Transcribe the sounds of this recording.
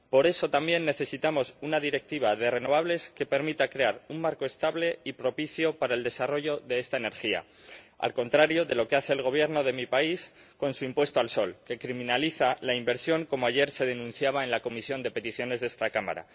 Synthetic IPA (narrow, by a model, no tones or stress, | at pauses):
po̞ɾe̞so̞t̪ambje̞nːe̞θe̞sit̪amo̞sunaðiɾe̞k̚t̪iβ̞aðe̞re̞no̞β̞aβle̞ske̞pe̞ɾmit̪akɾe̞aɾummaɾko̞e̞st̪aβle̞ipɾo̞piθjo̞paɾae̞ld̪e̞saro̞ʝo̞ðe̞e̞st̪aene̞ɾxia̰ | a̰lko̞nt̪ɾaɾjo̞ðe̞lo̞ke̞aθe̞ːlɣ̞o̞β̞je̞ɾno̞ð̞e̞mipais | ko̞nsuimpwe̞st̪oalso̞lke̞kɾimĩnaliθalaimbe̞ɾsjo̞ŋko̞mo̞aʝe̞ɾse̞ð̞e̞nũn̟θjaβ̞ae̞nlako̞misjo̞nd̪e̞pe̞t̪iθjo̞ne̞zðe̞st̪akama̰ɾa̰